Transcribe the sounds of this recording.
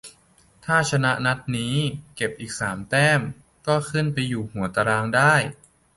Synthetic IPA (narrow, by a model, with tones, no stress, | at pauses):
t̪ʰaː˥˩t͡ɕʰa˧na˦˥ʔna˦˥t̪̚niː˦˥ke˨˩p̚ʔiː˨˩k̚saː˩˦mt̪ɛː˥˩m | kɔː˥˩kʰɯ˥˩npa˧jːuː˨˩hu˨˩˦ɐt̪a˧ɾaː˧ŋdaː˥˩j